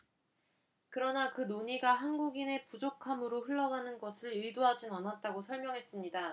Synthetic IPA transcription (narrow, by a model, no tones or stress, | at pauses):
kɯɾʌnakɯnoɲiɡaɦanɡuɡine̞pud͡ʑokʰamɯɾoɸɯɭːʌɡanɯnɡʌsʰɯɭɯdoɦad͡ʑinanat̚t͈aɡosʰʌɭmjʌŋɦe̞s͈ɯmɲida